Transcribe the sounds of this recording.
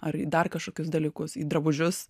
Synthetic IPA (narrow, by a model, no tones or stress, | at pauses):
ɐɾiːd̪ɐrkɐʃkoːkʲʊsd̪ɐlʲiːkʊsiːd̪ɾɐbʊʒʲʊs